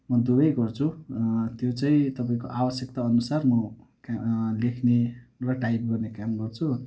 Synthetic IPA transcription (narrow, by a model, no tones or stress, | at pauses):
mʌd̪ubʌjɡʌrt͡sʰut̪jot͡saĩt̪ʌpaĩkoʔabʌsjʌkt̪aʌnusarmʌ | kalekʰnerʌʈajp̚ɡʌrnekamɡʌrt͡sʰu